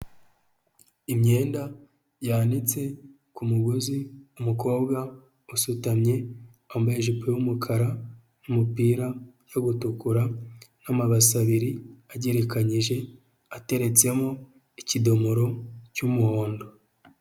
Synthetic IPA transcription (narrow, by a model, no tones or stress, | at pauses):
imɲe̞ːnda | jaːnit͡se̞ | kumuɡoziumuko̞ːbɡa | usutamɲe̞ | ambaeʒipewumukʰaɾa | numupiːɾa | jo̞ɡutukuɾanamaβasaβiɾiaɟeɾekaɲiʒe̞ | ate̞ɾe̞t͡se̞mo | icido̞moɾo̞cumuho̞ːndo̞